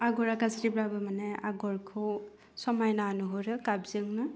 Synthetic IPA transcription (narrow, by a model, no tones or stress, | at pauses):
aɡɔɾakaziɾibɾabɯmaneaɡɔɹkʰɯw | sɔmajnanuɦuɾɯkabzɯŋnɯ